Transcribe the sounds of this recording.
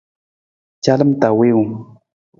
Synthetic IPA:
t͡ʃa˦lə˦mt̪a˨we˦wu˨ŋ

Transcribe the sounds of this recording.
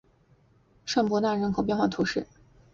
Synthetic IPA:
ʂa˥˩npwɔ˧˥t̪a˥˩ɻə˧˥nkʰo˨ʊp̬jɛ˥˧nxwa˥˩t̪ʰu˧˥ʂɻ̩˥˩

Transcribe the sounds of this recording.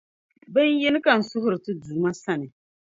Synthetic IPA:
bɛ˦n˦jɛ˦nɨ˦ka˨n̩˨sʊ˦ɦʊ˨ɾɨ˨tɨ˦duː˨ma˦sa˦nɨ˨

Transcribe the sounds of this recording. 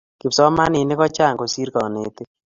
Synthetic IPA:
ki˨psɔ˦ma˦ni˨ne˦kɔ˦t͡ʃa˦˨ŋko˨si˦ɾkɔ˨ne˨te˦

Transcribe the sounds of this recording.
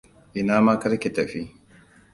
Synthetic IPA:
ʔɪ˨naː˦maː˦kɐ˦ɾkʲe˨tɐ˨ɸi˦

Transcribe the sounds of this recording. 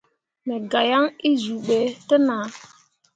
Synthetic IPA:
me˨ɡa˨ja˦ŋi˦zu˨ɓe˨tə˦na˨

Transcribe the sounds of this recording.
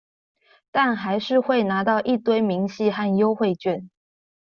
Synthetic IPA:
t̪a˥˩nxa˧˥ɪʂɻ̩˥˧xwe˥˩ɪna˧˥t̪ɑ˥˧ʊʔi˥˩t̪we˥˩ɪmi˧˥ŋɕi˥˧xa˥˩njo˥ʊxwe˥˧ɪt͡ɕɥɛ˥˩n

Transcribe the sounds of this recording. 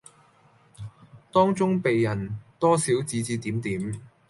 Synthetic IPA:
t̪ɔː˥ŋt͡sʊ˥ŋpe˨jːɐ˨˩nt̪ɔː˥siː˨˥wt͡siː˨˥t͡siː˨˧t̪iː˨˥mt̪iː˨˥m

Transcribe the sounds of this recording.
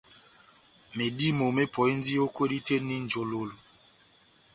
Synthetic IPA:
me˨di˦mo˨me˦pʰɔ˨i˦n˦di˦o˦kwe˦di˦te˦ni˦n̩˨d͡ʒo˨lo˦lo˨

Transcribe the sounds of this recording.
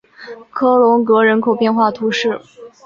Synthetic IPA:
kʰɤ˥lʊ˧˥ŋkɤ˧˥ɻə˧˥nkʰo˨˩ʊpjɛ˥˧nxwa˥˩t̪ʰu˧˥ʂɻ̩˥˩

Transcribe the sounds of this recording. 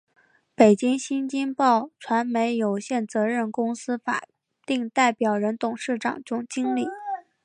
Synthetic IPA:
pe˨˩ɪt͡ɕi˥ŋɕi˥nt͡ɕi˥ŋpɑ˥˩ʊʈ͡ʂʰwa˧˥nme˧˥ɪjo˨˩ʊɕjɛ˥˩nt͡sɤ˧˥ɻə˥˩nkʊ˥ŋsɹ̩˥fa̰˨˩ | t̪i˥˧ŋt̪a˥˩ɪpjɑ˨˩ʊɻə˧˥nt̪ʊ˨˩ŋʂɻ̩˥˩ʈ͡ʂɑ̰˨˩ŋʈ͡ʂʊ˥ŋt͡ɕi˥ŋli˥˩

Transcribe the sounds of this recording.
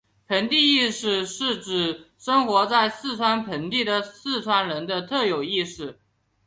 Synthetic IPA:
pʰə˧˥nt̪i˥˧i˥˧ʂɻ̩˥˧ʂɻ̩˥˩ʈ͡ʂɻ̩˨˩ | ʂə˥ŋxwɔ˧˥t͡sa˥˧ɪsɹ̩˥˩ʈ͡ʂʰwa˥npʰə˧˥nt̪i˥˩d̪ə˩sɹ̩˥˩t͡sʰwa˥nɻə˧˥nd̪ə˧t̪ʰɤ˥˩jo˨˩ʊi˥˧ʂ̩˥˩

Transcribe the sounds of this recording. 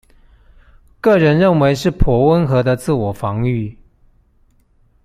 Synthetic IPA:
kɤ˥˩ɻə˧˦nɻə˥˩nwe˧˦ɪʂɻ̩˥˩pʰwɔ˨˥wə˦nxɤ˧˥d̪ə˧t͡sɹ̩˥˩wɔ˨˩fɑ˧˦ŋy˥˨

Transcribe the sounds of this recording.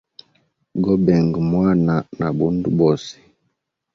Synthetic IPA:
ɡɔ˦bɛ˨ŋɡmwa˦na˨na˨bu˦ndu˦bɔ˨si̥˨

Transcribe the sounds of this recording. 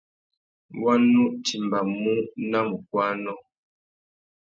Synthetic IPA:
wa˦nːu˦ʔtʰi˨m˨ba˨mu˦na˦˨m̩˨k̚wa˦nɔ˦˨

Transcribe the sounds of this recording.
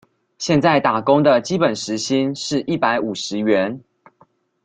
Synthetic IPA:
ɕjɛ˥˧nt͡sa˥˩ɪt̪a˨˩ko˦ŋd̪ə˨t͡ɕi˦˥pə˨˩nʂɻ̩˧˦ɕi˦nʂɻ̩˥˨ʔi˥˩pa˧˥ɪʔu˨˩ʂɻ̩˨˦ɥɛ˨˦n

